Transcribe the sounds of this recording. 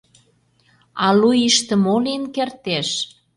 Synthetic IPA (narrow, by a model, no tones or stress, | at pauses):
ɑlujiʃt̪ə̆molenkert̪eʃ